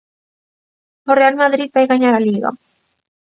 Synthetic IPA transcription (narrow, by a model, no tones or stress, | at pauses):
orealmaðɾið̚bajɣaɲaɾaliɣa̰